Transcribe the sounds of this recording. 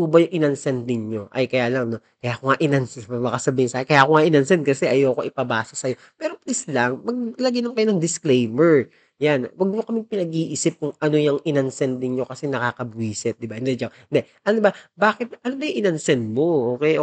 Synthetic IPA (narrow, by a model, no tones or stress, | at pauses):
uːbɐjʊŋʔɪnɐnsɛnd̪̚nɪɲɲo̞ʔɐ̰jkɐjaːlɐŋno̞ | kɐjakoŋaʔɪnɐnsɛmɐmɐkasɐbiːhɪŋsaːhɪkɐjaːkoŋaʔɪnɐnsɛnd̪̚kɐsɛʔɐjoːkoʔɪpɐbaːsɐsɐjo̞ | pɛːɾo̞plislɐŋmɐɡ̚lɐɡɪnɐŋkɐjonɐŋd̪ɪsklejmɛɹ | janwɐɡ̚mokɐmɪŋpɪnɐɡ̚ʔiʔiːsɪp̚kʊŋʔɐno̞jɐŋʔɪnɐnsɛnd̪nɪɲɲo̞kɐsɛnɐkaːkɐbwiːsɛt̪̚d̪ɪbahɪnd̪ɛd͡ʒaɪnd̪ɛʔɐnobɐbaːkɪt̪̚ɐnobɐjʊŋʔɪnɐnsɛnd̪̚mo̞ʔoːkɛjʔo